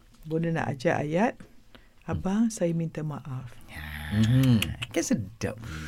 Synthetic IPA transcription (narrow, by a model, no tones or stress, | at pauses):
bonəna̰ʔa̰d͡ʒaʔa̰jat̪̚ | abaŋsajamint̪amaʔafm̩m̩kasəda̰p̚